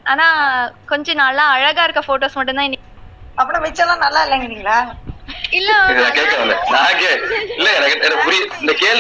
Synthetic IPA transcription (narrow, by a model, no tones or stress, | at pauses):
aːnaːkɔɲd͡ʒɐ̃naːllãːɐɻɐɣaːɪɾɯkːɐfoːʈoːsmɐʈ̬ːɯnt̪ãːɪnːɪ | ɐpːɐɽʊ̃ʋɐt͡ʃːɐt̪ãːnɐlːaːɪlːɛŋɡɐnːiŋɡɐlɐ | ɪlːɐinɐkeːkːɐʋɐlːɛnãːkːeɪlːɛŋɐnɐkːɛnpʊɾɪjɐɪnd̪ɐkeːl